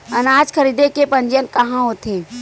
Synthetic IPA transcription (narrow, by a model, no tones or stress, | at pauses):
ənaːd͡ʒkʰəɾiːd̪ekepə̃nd͡ʒənkɐɦãɦot̪ʰeː